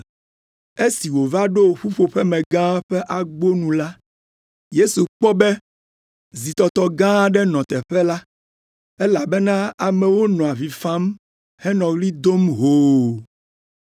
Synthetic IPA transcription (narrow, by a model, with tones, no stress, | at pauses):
e˦si˨wo˨va˦ɖo˦˨ɸu˦ɸo˨ɸɛ˦mɛ̃˨ɡã˦ɸɛ˦ʔa˨ɡ͡bo˦nũ˨la˦ | je˦su˨k͡pɔ˦bɛ˦ | zi˨t̪ɔ˨t̪ɔ˨ɡã˦ɖɛ˦nɔ̃˨t̪ɛ˨ɸɛ˦la˦ | ɛ˦la˨bɛ˦nã˦a˨mɛ˨wo˦nɔ̃˨a˨vi˨fã˦m | hɛ˦nɔ̃˨ɣli˦d̪o˦mɦoː˨